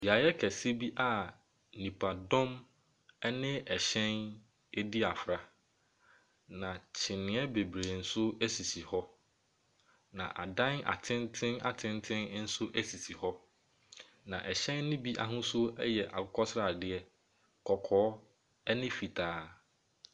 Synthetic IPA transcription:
bi˨a˨jɛ˦kʰɛ˨si˦bi˦ʔa˨ | nĩ˨pʰa˨dɔ̃˦m | ɛ˦nɪ̃˦ɛ˨ɕɛ̃˦n | e˦di˦a˨fɾa˨ | nã˨t͡ɕʰɪ˨nɪ̃˨ɛ˦be˨bɾe˨n̩˦sʊ˦ɛ˦si˨si˨hɔ˦ | nã̰˨ʔa˨dã˦ŋa̰˨tʰɪ̃˦ntʰɪ̃˦na˨tʰɪ̃˦ntʰɪ̃˦nn̩˦sʊ˦ʔɛ˦si˨si˨hɔ˦ | nã˨ʔɛ˨ɕɛ̃˦nːʊ̃˦bi˦ʔa̰˨ɦʊ̃˦sʊ˦ɛ̰˦jɛ˨ʔa̰˨kʊ˦kʰɔ˦sɾa˨dɪ˦ɛ˦ | kʰɔ˨kʰɔː˨˦ | ɛ˦nɪ̃˦fi˨tʰaː˨˦

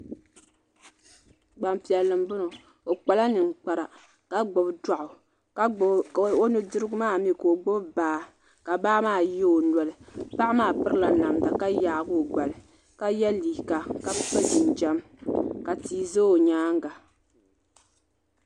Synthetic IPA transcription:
ɡ͡ba˨mpi˨ɛ˨lːɨ˨mbʊ˦no˨ | o˨k͡pa˨la˦nɨ˨ŋ˨k͡pa˨ɾa˨ | ka˦ɡ͡bo˨bda˨ʔʊ˨˦ | o˦nɨ˦dɨ˦ɾɨ˦ɡʊ˦maː˦˨mi˦ko˨ɡ͡bo˦bbaː˨˦˨ | ka˨baː˦maː˦˨jɛ˦o˨nɔ˨lɨ˨pa˦ʔmaː˦˨pɨ˦ɾɨ˦la˨na˨mda˨ka˦jaː˨˦ɡʊ˦˨ɡ͡ba˨lɨ˨ | ka˦jɛ˦liː˨ka˨ka˦bk͡pɛ˦dɪ˨nd͡ʒɛ˦m | ka˨tiː˨zo˦˨ɲaː˦ŋ˦ɡa˨

